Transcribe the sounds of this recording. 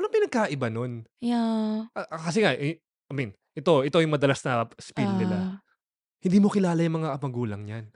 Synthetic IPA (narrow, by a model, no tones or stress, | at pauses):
lɐŋpɪnɐɡ̚kaːʔɪbano̞njaʔɐʔkɐs̬ɛŋa | ʔɐmin | ʔɛt̪o̞ʔɛt̪o̞jʊŋmɐd̪ɐlasnɐspid̪nɪla | hɪnd̪iːmokɪlaːlɐjʊŋmɐŋaʔɐmɐɡuːlɐŋɲan